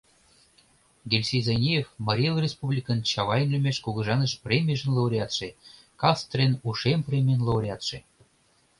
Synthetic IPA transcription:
ɡʲelʲsʲejzɑnʲijefmɑɾʲelˠrʲespublʲikənt͡ɕɑβɑjenlʲə̆mʲeʃkuɣɤ̆ʒɑnəʃprʲemʲijəʒə̆nlˠowɾʲjɑt̪ʃe | kɑst̪rʲenuʃemprʲemʲenlouɾʲɑt̪ʃe

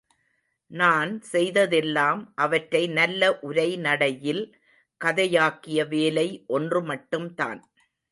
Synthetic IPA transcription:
naːnsɛjðɐðɛlːaːmʔɐʋɐʈɾɐɪnɐlːɐʔʊɾɐɪnɐɽɐjɪl | kɐðɐjaːkːɪjɐʋeːlɐɪʔɔndrɯmɐʈːɯmt̪a̰ːn

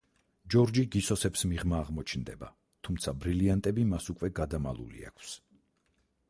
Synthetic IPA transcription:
d͡ʒɔɾd͡ʒiɡisɔsɛpsmiʁmaːʁmɔt͡ʃʰnd̪ɛba̰ | t̪ʰumt̪sʰabɾiliant̪ʼɛbimasukʼwɛɡad̪ama̰lˠṵlḭa̰kʰs

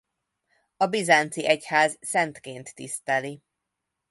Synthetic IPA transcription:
ɒbizaːnt̪siʔɛchaːzsɛnt̪keːnt̪ːḭst̪ɛli

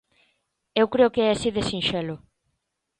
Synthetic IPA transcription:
ewkɾeʊkeɛasiðesinʃɛlʊ

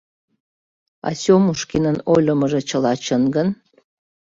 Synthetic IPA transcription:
a̰sʲomuʂkʰʲinɨnolʲomɐʐɐt͡ʃʰɐlat͡ʃʰɐnɡɐn

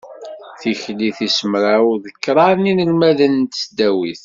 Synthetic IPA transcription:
θiçliθisəmɾaʊðəkːɾˤɑɾˤninəlmæðənt̪sd̪æwiθ

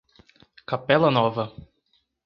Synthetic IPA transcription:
kapɛlɐnɔvɐ

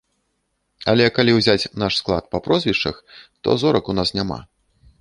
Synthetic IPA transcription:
ɐlʲɛkalʲiwzʲat͡sʲn̪aʂsklˠa̰t̪̚pɐpɾɔzʲvʲiʂt͡ʂɐ̰xt̪ɔ̰zɔɾɐkunasnʲama̰

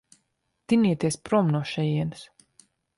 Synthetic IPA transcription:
t̪iniɛt̪iɛspɾɔmnuɔʃɛjiɛns

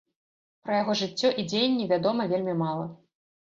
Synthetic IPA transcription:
pɾɐjaɣɔʐɨt͡sʲːɔʔid͡zʲejnʲːivʲad̪ɔmɐvʲelʲmʲimalˠɐ

